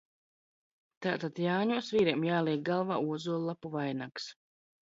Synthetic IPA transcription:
t̪aːt̪at̪jaːɲuɔsviːɾiɛmjaːlˠiɛk̚ɡalˠva̰ːuɔzuɔlˠlːˠapuvajnaks

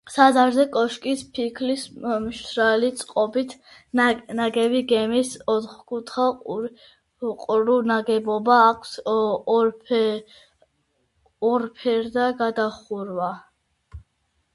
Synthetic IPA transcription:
sad̪aɾzɛkʼɔʃkʼispʰikʰlismʃʃɾalit̪sʼqʼɔbit̪ʰ | naɡɛviɡɛmisɔt̪χkʰʼut̪ʰχa | qʼɾunaɡɛbɔbaːkʰs | ɔɾpʰɛɾd̪aɡad̪aχuɾwa

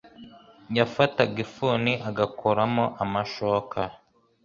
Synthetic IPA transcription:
jafataɡifuːniʔaɡakʰoɾamoʔamaʃokʰa

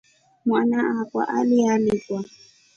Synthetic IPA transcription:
mwanakwa̰ʔalianɛswa

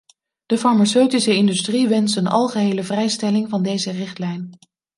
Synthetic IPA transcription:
d̥əfɑɹmasøɥtisəɪndystriʋɛnsənɑ̰lˠχəɦejləvrɛjstɛlɪŋvɑndejzərɪχtlɛjn

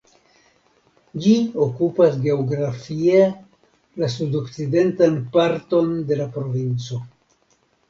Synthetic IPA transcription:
d͡ʒiokupasɡe̞oɡɾafie̞ | las̬udo̞kt͡side̞ntanpaɾto̞nde̞lapɾo̞vint͡so̞

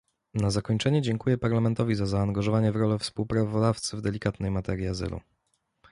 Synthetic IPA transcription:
nazakɔɲt͡ʂɛɲɛd͡ʑɛŋkujɛpaɾlamɛnt̪ɔvʲizazaːŋɡaʐɔvaɲɛvɾɔlɛfspuwpɾavɔd̪aft̪sɘvd̪ɛlʲikat̪nɛjmat̪ɛɾʲjiazɘ̰lṵ

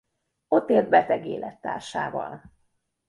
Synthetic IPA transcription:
o̞t̪ːeːld̪̚bɛt̪ɛɡeːlʔɛt̪ːaːrʃaːvɒ̰l

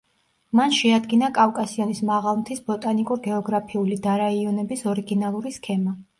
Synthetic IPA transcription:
manʃɛad̪ɡinakʼafkʼasiɔnismaʁalˠmt̪ʰisbɔt̪ʼanikʼuɾɡɛɔɡɾapʰiulid̪aɾaiɔnɛbisɔɾiɡinalˠuɾiskʰɛma

